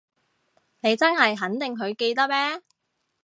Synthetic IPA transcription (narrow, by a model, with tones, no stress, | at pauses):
ne˨˧jt͡sɐ˥nhɐ˨jɦɐ˨˥nt̪ɪ˨ŋkʰɵ˨˧ɥke˧jt̪ɐ˥k̚mɛː˥